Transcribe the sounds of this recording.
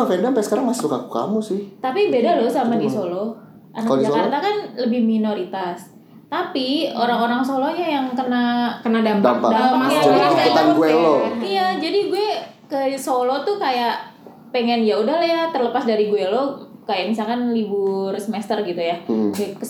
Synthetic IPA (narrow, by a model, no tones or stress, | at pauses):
fɛdampasə̥kaɾaŋmasukakuka̰musɪt̪apibedalosamadisolo | ʔanad͡ʒakart̪akanləbɪhminoɾit̪as | t̪apioɾaŋoɾaŋsoloɲajaŋkənakənadambaadaaaaaadat̪aɡuɛloijad͡ʒadiɡuɛ | kəsolot̪ukajaʔ | peŋɛnjaudahlajat̪ərləpasdaɾiɡuɛlokajaʔmisalkanlibʊrsəmɛst̪ərɡit̪ujakə